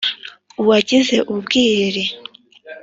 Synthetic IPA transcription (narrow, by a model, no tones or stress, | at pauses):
uwaɟize̞ʔubɡiːɾe